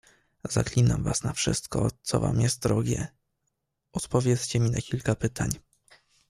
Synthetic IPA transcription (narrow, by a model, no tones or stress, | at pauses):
zaklʲinamvasnafʂɘ̰st̪kɔt̪sɔva̰mjɛst̪̚d̪ɾɔɡʲjɛ | ɔt̪pɔvʲjɛt̪st͡ɕɛmʲinakʲilkapɘt̪ʰaɲ